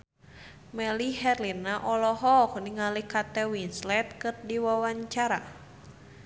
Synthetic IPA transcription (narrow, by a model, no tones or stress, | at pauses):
mɛliɦɛrlinaʔɔlɔɦɔkniŋalikat̪ɛwinslɛt̪̚kɨrdiwawaɲt͡ʃaɾa